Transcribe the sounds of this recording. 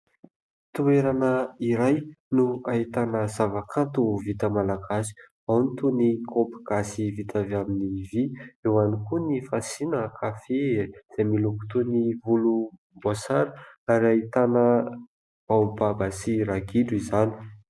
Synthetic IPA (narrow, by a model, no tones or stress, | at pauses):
t̪ueɾanəiɾajnuait̪anəzavakʰant̪uvit̪əmalaɡasi̥ | awnit̪unikʰopi̥ɡ̥asivit̪avaminiviewanikunifasinəkʰafez̥amiluku̥t̪univulu | bosaɾəaɾiait̪anə | b̥aubabasiɾaɡiɖ͡ʐuizani̥